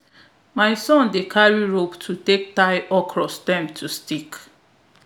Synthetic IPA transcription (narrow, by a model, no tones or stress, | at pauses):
maɪsɔ̃ndekʰaɹiɹoptʰutek̚taɪʔɔkʰɹɔstãmtʰustik